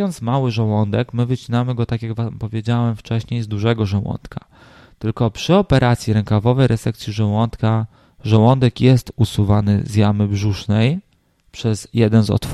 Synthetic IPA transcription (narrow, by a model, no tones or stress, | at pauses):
ɔnt̪smawɘʐawɔnd̪ɛkmɘvɘt͡ɕinamɘɡɔt̪akʲjaɡvampɔvʲjed͡ʑawɛmft͡ʂɛɕɲejzd̪uʐɛɡɔʐawɔ̰nt̪kʰa | t̪ɘlkɔpʂɘɔpɛɾʔat̪sʲjiɾɛŋkavɔvɛjɾʔɛt̪ɛk̚t̪sʲjiʐɛwɔnt̪ka | ʐawɔnd̪ɛkjɛst̪usuvanɘ̰zjamɘbʐuʂnɛj | pʂɛzjɛd̪ɛnzɔ̰t̪f